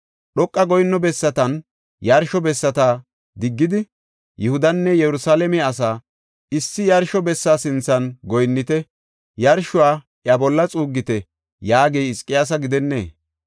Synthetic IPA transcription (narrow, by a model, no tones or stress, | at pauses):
ɗɔkʼːɐɡɔjnːɔbɛsːɐt̪ɐn | jɐɾʃɔbɛsːɐt̪aː | d̪ɪɡːɪd̪ɪ | jɛhʊd̪ɐnːɛjɛɾʊsaːlɛmɛɐs̬aː | ɪsːɪjɐɾʃɔbɛsːaːsɪnt͡sːɐnɡɔjnːɪt̪ɛ | jɐɾʃʊwaː | ʔjabɔlːɐt͡sʼuːɡːɪt̪ɛ | jaːɡejɪskʼːɪjas̬ɐɡɪd̪ɛnːḛː